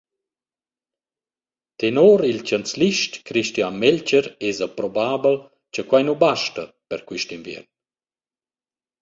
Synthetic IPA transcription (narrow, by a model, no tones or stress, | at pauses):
t̪enoːɾilt͡ʃant͡sliʃtkɾiʃtianmɛlt͡ʃəɾezəpɾɔbaːbəl | t͡ʃəkwajnubaʃtə | pɛɾkwiʃtinvjɛ̰rn